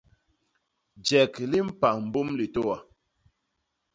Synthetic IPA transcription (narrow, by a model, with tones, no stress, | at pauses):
d͡ʒɛ˨kli˦m̩˦pa˨m̩˨bu˦mli˨to˦wa˨